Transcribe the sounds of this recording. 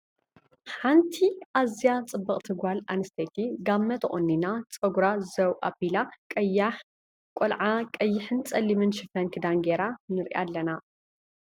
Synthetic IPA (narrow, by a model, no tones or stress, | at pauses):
ħant̪ʰiʔazijat͡sʼɨbːɐχʼt̪ʰɨɡalanɨst̪ʰet̪ʰiɡamːɐt̪χʼonːinat͡sʼɐɡuɾazɐwʔa̰bilakʼj | kʼolʕakʼɐjːɪħɨnt͡sʼɐlːimɨnʃɨfɐnkʰɨd̪anɡeɾanɨɾʔa̰lːɐna